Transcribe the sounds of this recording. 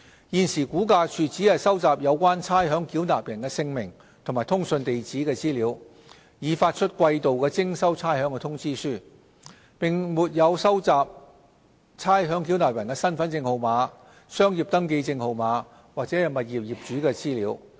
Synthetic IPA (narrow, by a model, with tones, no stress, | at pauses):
jiː˨˩nsiː˨˩kuː˨˥kaː˧t͡ʃʰyː˨˩t͡siː˨˥hɐ˨jsɐ˥wt͡saː˨p̚jɐ˨˧wkʷaː˥nt͡sʰaː˥jɦœː˨˥ŋkiː˨˥wnaː˨p̚jɐ˨˩nkɛː˧sɪ˧ŋmɪ˨˩ŋ | t̪ʰʊ˨˩ŋmaː˨˩t̪ʰʊ˥ŋsɵ˧nt̪e˨jt͡siː˨˥kɛː˧t͡siː˥liː˨˧˥w | jiː˨˧faː˧t̚t͡ʃʰɵ˥t̚kʷɐ˧jt̪o˨wkɛː˧t͡sɪ˥ŋsɐ˥wt͡sʰaː˥jɦœː˨˥ŋkɛ˧t̪ʰʊ˥ŋt͡siː˥syː˥ | pɪ˨˩ŋmuː˨t̚jɐ˨˧wsɐ˥wt͡saː˨p̚ | t͡sʰaː˥jɦœː˨˥ŋk̬i˨˥wnaː˨˩p̚jɐ˨˩nkɛː˧sɐ˥nfɐ˨˥nt͡sɪ˧ŋho˨wmaː˨˥ | sœː˥ŋjiː˨˩p̚t̪ɐ˥ŋk̬e˧jt͡sɪ˧ŋho˨˧wmaː˨˧˥ | waː˨k̚t͡sɛː˨˥jɐ˨˩mɐ˨t̚jiː˨p̚jiː˨˩p̚t͡ʃyː˨˥kɛː˧t͡siː˥liː˨˧˥w